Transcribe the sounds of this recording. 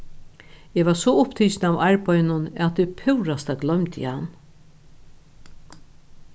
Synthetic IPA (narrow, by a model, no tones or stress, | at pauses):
ɛʋasɔʊpt̪ʰiːt͡ʃnavaɹpajnʊnɛat̪ipʰɪwɾast̪aɡlœmt̪ɪ̰han